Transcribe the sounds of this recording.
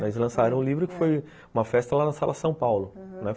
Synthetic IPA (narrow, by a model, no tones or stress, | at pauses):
nɛslɐ̃saɾɐ̃w̃ʊlivɾʊkɪ̥foj | ũmɐfɛst̪ɐlanɐsalɐsɐ̃w̃pawlʊñɛ